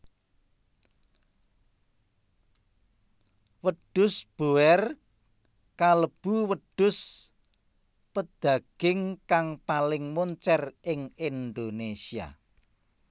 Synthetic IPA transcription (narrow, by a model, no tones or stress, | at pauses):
wəd̪̥ʊsb̥oɛr | kaləb̥uwəd̪̥ʊ̤s | pəd̪̥ä̤ɡ̥ɪŋkaŋpalɪŋmoɲt͡ʃɛrɪŋind̪onesia̰